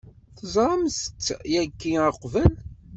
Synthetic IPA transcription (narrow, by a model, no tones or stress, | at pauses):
θəzˤɾˤɑmst̪ːjækːiəqːvəl